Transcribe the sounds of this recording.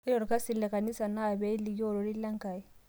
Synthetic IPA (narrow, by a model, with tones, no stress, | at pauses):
e˦jɔ˨ɾu˨ka˦si˨le˨ka˨ni˦sa˨na˦˨βe˦i˦li˨jo˦˨ɾo˨ɾi˦la˦ŋka˨i˦